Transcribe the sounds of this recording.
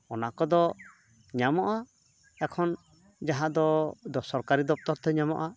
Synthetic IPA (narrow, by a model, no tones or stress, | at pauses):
ɔnakɔd̪ɔ | ɲamɔʔa | ɛkʰɔn | d͡ʒaɦãd̪ɔd̪ɔsɔɾkaɾid̪ɔp̚t̪ɔɾt̪ʰɛɲamɔ̰ʔa